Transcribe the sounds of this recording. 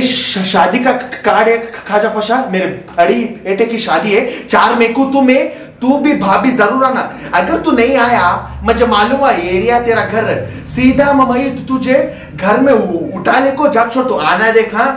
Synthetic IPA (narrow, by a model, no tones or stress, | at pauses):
ʃaːd̪ikakaːɽekkʰːaːd͡ʒapʰɐʃaːmeːɾeɐɽieːʈekiʃaːd̪iɦɛt͡ʃaːɾmẽkut̪umẽ | t̪ubʱibʱaːbizɐɾuːɾaːnaɐɡəɾt̪unɐɦĩaːja | mɐ̃d͡ʒemaːlũːmɡaeːɾijat̪eːɾaɡʱɐɾ | siːd̪ʱamɐmɐjt̪t̪ud͡ʒʱe | ɡʱɐɾmẽʊʈʰaːleːkod͡ʒaːk̚t͡ʃʰoːɽt̪uaːnad̪eːkʰãː